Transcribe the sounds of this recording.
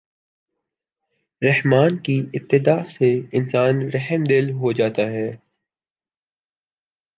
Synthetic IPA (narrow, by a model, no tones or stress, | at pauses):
ɾɐhmaːnkiɪp̚t̪ːɪd̪aːseɪnsaːnɾɐɦəmd̪ɪlɦod͡ʒaːt̪aɦɛː